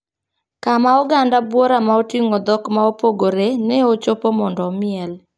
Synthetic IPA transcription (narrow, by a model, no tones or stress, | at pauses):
kamaɔɡandabwɔɾamaotiŋɔd̪ɔkmaopoɡoɾenɛot͡ʃopomɔndɔmɪɛl